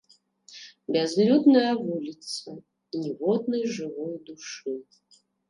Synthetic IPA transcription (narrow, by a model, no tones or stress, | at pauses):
bʲɛzlʲud̪nɐjɐvulʲit̪sɐ | nʲivɔd̪̚nɨjʐɨvɔjd̪uʂɨ